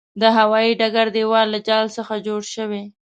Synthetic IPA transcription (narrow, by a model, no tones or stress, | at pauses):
d̪əɦawɑiɖaɡaɾd̪ewɑlːad͡ʒɑlsəxad͡ʒoɽʃəwe